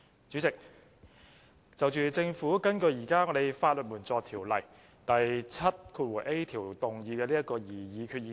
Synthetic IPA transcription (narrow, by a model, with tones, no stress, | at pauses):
t͡ʃyː˨˥t͡sɪ˨k̚ | t͡sɐ˨wt͡ʃyː˨˩t͡sɪ˧ŋfuː˨˥kɐ˥nkɵ˧ɥjiː˨˩kaː˥ŋɔː˨˧ɾe˨˧jfaː˧t̚lɵ˨t̚muː˨˩nt͡sɔː˨˧k̚t̪ʰiː˨˩wlɐ̰˨˩j | t̪ɐ˨jt͡sʰɐ˥t̚kʰuː˧t̚wuː˨˩jʔe˥jt̪ʰiː˨˩wt̪ʊ˨ŋjiː˨˧kɛː˧liː˥ɐ˥t̚kɔː˧jiː˨˩jiː˨˧kʰyː˧t̚iː˨